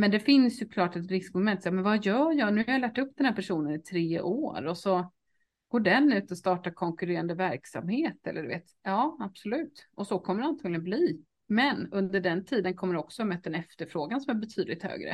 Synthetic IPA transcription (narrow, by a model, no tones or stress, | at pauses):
mɛnd̪ɛfɪnsjɵkʰlɑːʈɛt̪ɾɪskmɔmɛnt̪ːsjːmɛnvɑjœːjɑːnʉ̟haɾjalæːʈɵpːd̪ɛnhæɾpʰæʂuːnənɪt̪ʰɾeːʔo̰ːɾɔsɔ | ɡ̥oːɖɛnːʉ̟ːt̪ɔst̪ɑːʈaɾkʰɔŋkɵɾeːɾand̪əvæɾksa̰mheːt̪ɛ̰lːəɖʉvḛːt̪jɑːab̥sɔlʉ̟ːt̪ʔɔsɔkʰɔmːəɖɛant̪ʰɑːɡlɪɡənbliː | mɛnɵnd̪əɖɛnt̪ʰiːd̪ənkʰɔmːəɖɛɔksɔmɛt̪ːɛnɛft̪əɾfɾoːɡansɔmæɾbɛt̪ʰyːd̪lɪkt̪hø̰ːɡɾə̰